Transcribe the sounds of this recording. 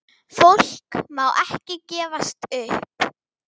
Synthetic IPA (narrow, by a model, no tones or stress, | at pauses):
fowl̥kmawʔɛhcɪcɛːvast̪ʏhp